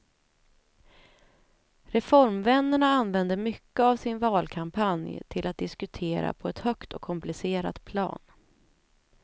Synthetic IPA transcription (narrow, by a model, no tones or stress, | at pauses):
ɾɛfɔɾmvɛnːəɳaanvɛnd̪əmʏkːəavsɪnvɑːlkʰampʰanjt̪ʰɪlat̪̚d̪ɪskɵt̪ʰeːɾa̰pʰɔɛt̪hœkt̪ɔkʰːɔmplɪseːɾa̰t̪pʰlɑ̰ːn